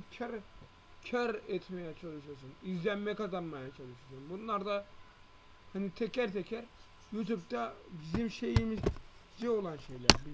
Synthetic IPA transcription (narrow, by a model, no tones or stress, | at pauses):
cʰaɾ | cʰaɾɛt̪me̞jɛt͡ʃʰalˠɯʃɯɾsunizlʲænmɛkazanmajat͡ʃʰalˠɯʃɯɾsunbunlˠaɾd̪a | hanit̪ʰɛcʰæɾt̪ʰecʰæɾ | jut̪ʰupt̪abizimʃe̞jimiz | d͡ʒɛo̞lˠanʃe̞jlʲæ̰ɾhni